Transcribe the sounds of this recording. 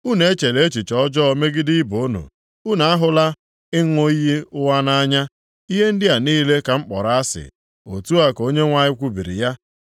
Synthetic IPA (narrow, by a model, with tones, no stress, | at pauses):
u˦ne˦t͡ʃe˨le˦t͡ʃi˨t͡ʃɔ˦d͡ʒɔ˦me˦ɡɪ˦dɪ˦i˦bo˨o˦nṵ˨ | u˦na˨a˦ɦʊ˦la˦ | ɪ˦ŋʷo˦i˦ɦi˦ʊ˦wa˦na˦ɲa˦ | i˦ɦe˦n̩˦dɪ˦a˨niː˦le˦ka˨ŋ͡m̩˦k͡pɔ˨ɾa˦a˦sɪ̰˨ | o̰˨tu˦a˦ko˦ɲe˦ŋʷa˨ɲɪ˦kʷu˦bi˨ɾḭ˨ja˦